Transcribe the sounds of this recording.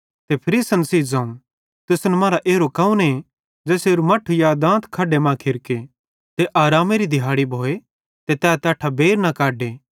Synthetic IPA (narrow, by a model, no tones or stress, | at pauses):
t̪epʰɐɾiːsənsiːd͡zãːũ | t̪ʊsnɛmaːɾaʔeːɾokɐːũne | d͡ʒɛːseːɾumɐʈʰujad̪ãːt̪kʰaːɖemãːkʰɪɾke | t̪eʔaːɾaːmeɾid̪ʱɪɦaːɽibʱoːe | t̪et̪ɛːat̪aːʈʰabeːɾnakaːɖeː